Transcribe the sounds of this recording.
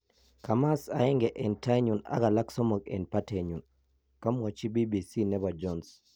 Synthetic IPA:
ka˨ma˦sa˨ɪ˦ŋɡɛ˨ʔɛ˨nta˦ɲu˨na̰˦ɡa˨la˦kso˦mo˨kḛ˨npa˦ta˨ɲu˨n | ka˦mwɔ˨t͡ʃi˦bi˦bi˨si˦nɛ˦ba˨d͡ʒɔ˦ns

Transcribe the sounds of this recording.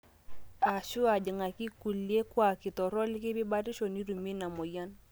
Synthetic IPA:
a˨ʃu˦a˨d͡ʒɪ˨ŋa˨ki˦ku˨lje˦kwa˨kɪ˨tɔ˨ɾɔ˦lɪ˦kɪ˦bi˦ba˦ɾi˦ʃo˨ni˦ɾu˨mi˦na˨mɔ˨ja˦n

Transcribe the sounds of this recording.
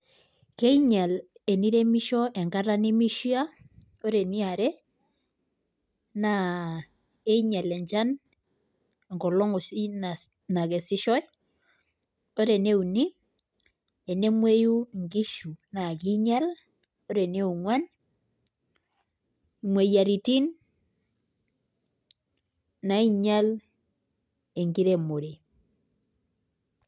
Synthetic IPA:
ke˦i˦ɲɛ˨lɛ˨ni˦ɾe˦mi˦ʃɔ˦ʔɛ˨ŋɡa˦ɾa˦ni˦mi˦ʃi˦a˦ | o˦ɾe˨ni˦a˨ɾɛ˦ | na˨ | e˦i˦ɲɛ˨lɛ˨ɲt͡ʃa˦n˨ | ŋɡɔ˨lɔ˦ŋɔ˨si˦na | na˨kɛ˨si˦ʃɔ˦j | o˦ɾe˨ne˦u˨ni˦ | e˨ne˦mwe˦ju˦˨ŋɡi˦ʃu˨na˨ki˦ɲa˦l | o˦ɾe˨ne˦u˨ŋwa˦n˨ | mwe˨ja˨ɾi˨ti˦n | a˨i˦ɲa˦l | e˨ŋɡi˦ɾe˨mo˨ɾe˨

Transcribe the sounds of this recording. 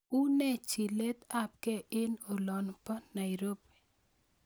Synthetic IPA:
u˦nɛ˦t͡ʃi˨le˦t̪a˦p̚kɛ˦ʔɪ˦no˨lɔ˨npa˦na˨iɾo˦pe̥˨

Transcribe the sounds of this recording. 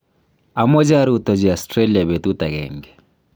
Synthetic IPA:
a˨mɔ˦d͡ʒa˦ɾut̪ɔ˨d͡ʒi˨a˨stɾe˦li˨a˨be˨t̪u˦t̪a˨ɡɛ̰ŋɡɛ

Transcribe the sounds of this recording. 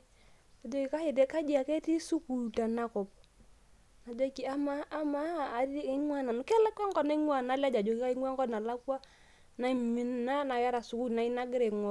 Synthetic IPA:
a˨d͡ʒo˦kɪ˨ka˦jɛ˨t̬e˦ka˦d͡ʒi˦a˨kɛ˦ti˦su˦ku˨ta˨na˨kʊ˨p̚ | na˨d͡ʒɔ˦ki˨˦a˦maː˦maː˦˨ɾɪ˦ŋwa˦˨na˨nʊ˨kɛ˦la˦ka˦ŋkɔ˦na˦i˦ŋwa˨na˨˦la˦d͡ʒa˨d͡ʒo˨kɪ˦ka˦i˦ŋwa˦ŋɡɔ˦na˨la˦kwa˦ | na˨i˨mi˨n˦na˦na˨ja˦ɾa˨su˨ku˦na˨i˦na˦ɡɪ˦ɾe˨ŋwɔ˨

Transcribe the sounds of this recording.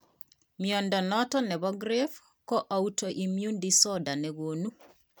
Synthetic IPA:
mjɔ˨ndɔ˨nɔtɔ˦nɛ˨βɔɡɾe˦f | kɔ˦ʔa˨u˦tɔ˨ʔi˨mju˦ndisɔda˨nɛɣo˨nu˦

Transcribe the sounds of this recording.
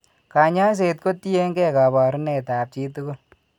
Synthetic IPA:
ka˨ɲa˦ns̬e˨t̚ko˦ti˦e˦ŋɡɛ˦ka˨bɔ˨ɾne˨ta˨p̚t͡ʃi˦tu˦kʊ˦l

